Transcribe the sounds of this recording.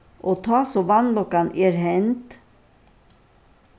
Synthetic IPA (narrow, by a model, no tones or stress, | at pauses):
ʔoːt̪ʰɑːsoːʋɑnlɔkanʔeːɾhɛnt̪